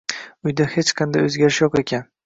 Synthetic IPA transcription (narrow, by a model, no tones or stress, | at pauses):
ʊjd̪ahe̞t͡ʃqʰɑnd̪a̰jɵzɡʲaɾɪʃjɒqe̞kʲʰan